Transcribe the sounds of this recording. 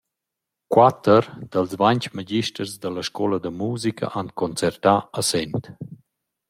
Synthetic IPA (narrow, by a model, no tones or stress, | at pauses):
kwat̪əɾd̪̥əlzvaɲt͡ʃmaɟiʃtərzd̪əlaʃkɔləd̪əmuːzikʰə̰ʔankɔnt͡sɛrt̪aəsɛnt̪